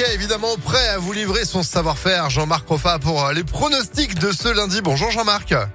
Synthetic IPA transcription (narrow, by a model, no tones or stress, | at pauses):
ɛevid̪amɑ̃pχɛavulivʁesɔ̃savwaʁfɛʁʒɑ̃maʁkɔfapuʁlepχɔnɔst̪ikd̪əsəlɛ̃d̪ibɔ̃ʒuʁʒɑ̃maʁk